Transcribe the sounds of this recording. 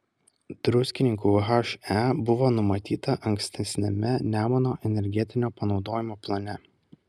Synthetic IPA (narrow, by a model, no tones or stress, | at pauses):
d̪̥ɾʊsʲkʲɪnʲɪŋkuːɦɐʃæbʊʋoːnʊmɐt̪ʲiːt̪ɐʔɐŋʲksʲt̪ʲɛsʲnʲɛmʲɛnʲæːmɔnoːʔɛnʲɛɾʲɡʲɛt̪ʲɪnʲoːpɐnɒʊd̪oːjɪmoːplˠɐnʲɛ